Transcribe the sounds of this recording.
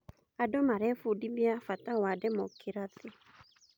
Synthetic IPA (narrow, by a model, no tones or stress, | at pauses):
adɔmaɾɛfudibiafatawadɛmɔkʰɪɾatɪ